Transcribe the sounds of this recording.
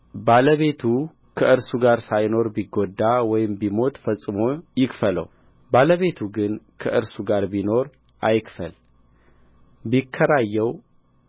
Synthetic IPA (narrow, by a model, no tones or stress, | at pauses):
baləβe̞t̪ʰu | kʰəʔɨɾsuɡaɾsajno̞ɾbiɡod̪ːawɔjɪmbimo̞t̪ʼfəsʼɨmo̞jɪkfələ̰w | baləβe̞t̪ʰuɡɨnkʰəʔɨɾsuɡaɾbino̞ɾ | ʔajkfə̰l | bikʰːəɾajːɛw